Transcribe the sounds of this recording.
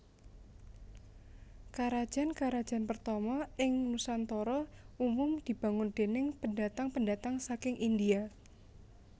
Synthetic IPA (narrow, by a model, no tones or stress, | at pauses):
kaɾad̥ʒ̥a̤nkaɾad̥d͡ʒ̥a̤npərt̪ɔmɔɪŋmusant̪ɔɾɔumʊmd̪̥i̤b̥a̤ŋʊnd̪̥e̤nɪŋpəndat̪aŋpəndat̪aŋsakɪŋʔindia